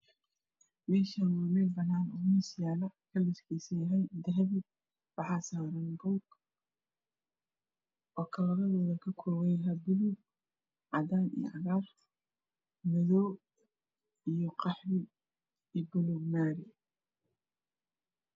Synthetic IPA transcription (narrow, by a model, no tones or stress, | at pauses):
mɛːʃanaːmɛbɐnaːnʊnɪsɪjaːlɐkʰɐlɪʃkʰiːsɪjɐɦɛjd̪ɐɦβɪ | wɑħɑːsaːɾɐŋɡɔːɡ | ʔɔːkʰɐlɐβɐðɔːðɐkʰɐkʰɔːwɛjɦɐbʊluɡ | ʕɑd̪aːnḭj̰ʕɑɣaːr | mɛðɔː | ijɔqɑħɾɪ | iːbʊluɡmaːɾɪ